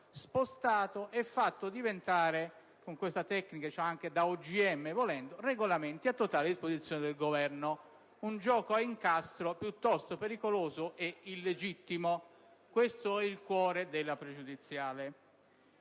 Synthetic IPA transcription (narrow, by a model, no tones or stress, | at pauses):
spost̪aːt̪oʔɛfːat̪ːod̪ivent̪aːɾe | koŋkwest̪at̪ɛkːnikat͡ʃaaŋk̟ed̪aud͡ʒiɛmːevolɛnd̪oreɡolament̪iat̪ːot̪aːleɪd̪ispozit̪sːjoːned̪elɡovɛrno | und͡ʒɔːkoiŋkast̪ɾopjut̪ːɔst̪opeɾikoloːzoʔeilːed͡ʒit̪ːimo | kwest̪oɛilkwɔːɾed̪elːapɾed͡ʒud̪it̪sːjaːle